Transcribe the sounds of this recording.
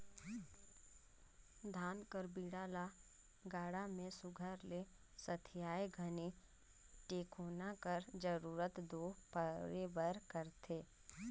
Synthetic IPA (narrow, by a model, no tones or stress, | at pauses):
d̪ʱaːnkəɾbiːɽaːla | ɡaːɽamẽsʊɡʱəɾle | sət̪ʰɪjaːjɡʱəni | ʈeːkoːnakəɾd͡ʒəɾuːɾət̪d̪oːpəɾebəɾkəɾt̪ʰeː